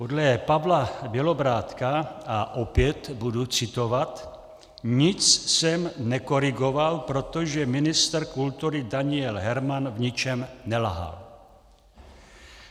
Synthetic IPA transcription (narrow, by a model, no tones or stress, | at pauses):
podlɛpavlabjɛlo̞bɾaːt̪kaaʔopjɛt̪budut͡sɪt̪ovat̪ | ɲɪt͡ssɛmnɛkoɾɪɡovalpɾo̞t̪oʒɛmɪnɪst̪ɾkult̪uɾɪdaɲɪjɛlɦɛɾmanvɲɪt͡ʃɛmnɛlɦa̰l